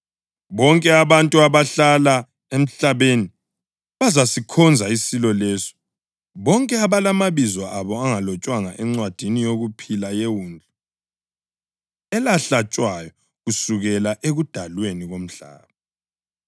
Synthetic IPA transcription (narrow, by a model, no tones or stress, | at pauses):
βɔŋkʼɛaβantʼuaβaɬala | em̩ɬaβeni | βazasikʰɔnd͡zʱaisilɔlɛsɔ̥ | βɔŋkʼɛaβalamaβizɔʔaβɔaŋalɔt͡ʃʼwaŋaʔɛŋ͡ǀwad̥ʱinijoɣupʰilajewuːnd͡ɮʱɔ | ɛlaɬat͡ʃʼwajɔ | ɣusuɣɛlaʔeɣud̥ʱalweniɣom̩ɬa̰ːβa